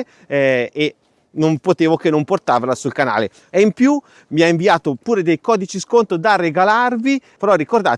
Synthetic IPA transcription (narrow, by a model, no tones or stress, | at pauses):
ɛe | nompot̪eːvokenːomport̪aːvalasulkana̰ːle | ɛimpju | miaiɱviaːt̪opuːɾed̪ejkɔːd̪it͡ʃiskont̪ɾod̪arːeɡalarvipeɾɔrːikord̪a̰ː